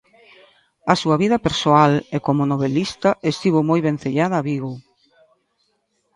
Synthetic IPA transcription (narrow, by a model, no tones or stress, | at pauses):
ɐsuɐβiðɐpeɾsoalekomʊnoβ̞elist̪ɐʔest̪iβomojβen̟θeʎaðɐːβiɣo